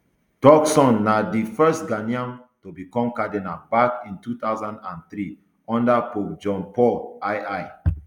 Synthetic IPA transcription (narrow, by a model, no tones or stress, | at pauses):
tɔksɔ̃nːadifɜstɡaniãn | tobikɔ̃mkadenabakĩntut̪aʊzãndãnt̪ɾi | ɔ̃ndapok̚d͡ʒɔ̃npɔlaɪaɪ